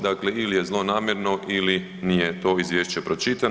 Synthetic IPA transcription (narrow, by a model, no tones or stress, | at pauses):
d̪akleilije̞zlˠo̞naːmʲje̞ɾno̞ʔili | nijet̪o̞ːizʋjeːʃt͡ɕe̞pɾo̞t͡ʃit̪a